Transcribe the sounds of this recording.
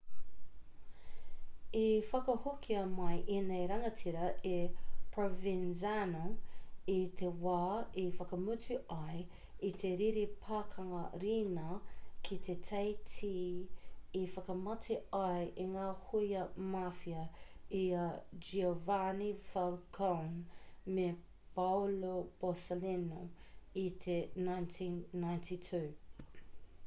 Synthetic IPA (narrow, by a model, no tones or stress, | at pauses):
ifɐkɐhokʰiɐmɐjʔinejɾɐŋɐtʰiɾɐʔepʰɹovinzanoit̪ʰewaːifɐkəmʉtʉɐj | it̪ʰeɾiɾipʰaːkʰɐŋɐɾiːnɐkʰit̪ʰetʰejtʰiː | ifɐkɐmɐtʰeɐjʔiŋaːhujɐmafiɐiɐd͡ʒiovanifalkʰonme | pawlob̥osolinoit̪ʰenajntʰĩnːajntʰitʰʉː